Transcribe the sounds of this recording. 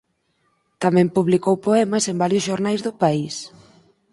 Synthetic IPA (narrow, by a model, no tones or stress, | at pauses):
t̪amɛ̃mpuβlikowpoɛmɐsembaɾjʊsʃoɾnajzðʊpais